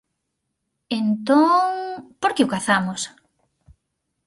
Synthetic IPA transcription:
ent̪oŋpoɾkeʊkaθamos

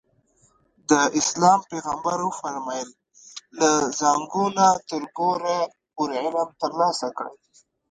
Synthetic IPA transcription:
d̪əɪslɑmpeɣambaɾəfaɾmɑjəlː | azaŋɡunat̪əɾɡoɾa | pʊɾʕɪləmt̪əɾlɑsakɽe

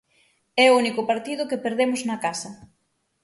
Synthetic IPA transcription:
ɛounikʊpaɾt̪ið̞ʊkepeɾðemʊznɐkasɐ

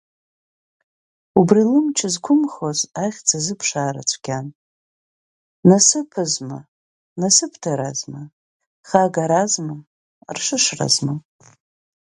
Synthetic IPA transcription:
ubrilɨmt͡ʃʰɪzkʷʰʊmχozajχʲt͡sʰazɨpʰʂaːɾa̰t͡ʃʷʰɡʲan | nasɨpʰɨzma̰ | nasɨpʰdʰaɾazma | χaɡaɾazma | rʂɨʂra̰zma

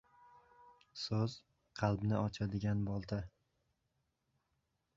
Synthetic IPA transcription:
sɵz̥ | qʰɑlˠbnɪɒt͡ʃʰad̪ɪɡʲanbɒlˠt̪ʰa

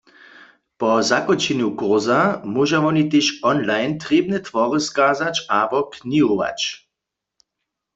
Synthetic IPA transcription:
pɔzakɔt͡ʃɛnjukɔʁzamuʒaʋɔnit̪eʃɔnlajnt̪ʁeːb̚nɛt̪ʋɔʁɨskaːzat͡ʃabɔkniɦoʋa̰t͡ʃ

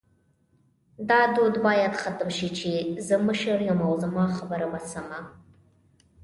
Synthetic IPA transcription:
d̪ɑːd̪od̪bɑːjad̪χat̪ɨmʃit͡ʃʰizəməʃəɾjəmawzamɑχabəɾamasama

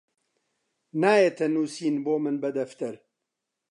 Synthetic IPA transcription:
naːjet̪ʰɐnuːsiːnboːmɨnbɐd̪ɐft̪ɨɾ

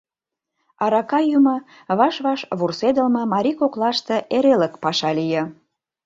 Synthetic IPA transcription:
ɑɾɑkɑjumə | βɑʃβɑʃβursed̪əlmɤ̆mɑɾʲikoklɑʃt̪eʔeɾeləkpɑʃɑlijə̆

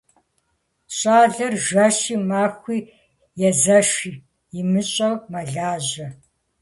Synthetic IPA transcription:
ɕʼaːɮɨrʒɐɕiːmaːxʷiː | jɛzɐʃiː | jɪmɨɕʼɐwmɐɮaːʑɐ

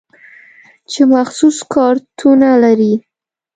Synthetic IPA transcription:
t͡ʃemaxsuskɑɾt̪ʰunalaɾi

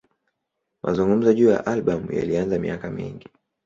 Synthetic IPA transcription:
mʔazuŋɡum̩zɔʄuːja̰ʔalɓamja̰lianzamḭakamḭŋɡi

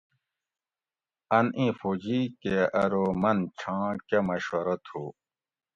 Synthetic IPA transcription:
ɐnĩfod͡ʑikeɐɾomɐnt͡ɕʰãːkemɐɕwɐɾɐt̪ʰhu

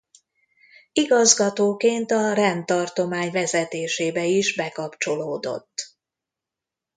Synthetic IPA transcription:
iɡɒzɡɒt̪oːkeːnt̪ɒrɛnt̪ɒrt̪o̞maːɲvɛzɛt̪eːʃeːbɛiʒbɛkɒpt͡ʃo̞loːd̪o̞̰t̪ː

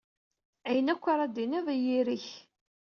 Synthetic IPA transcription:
æjənækʷːaɾˤɑd̪inævæjiɾiç

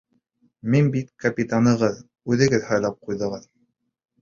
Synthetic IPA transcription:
minbit̪kɐpʲit̪anɤ̆ʁɤð | ʉðɘ̆ɡɘðhɑjlˠɑp̚qujðɤ̆ʁɤð

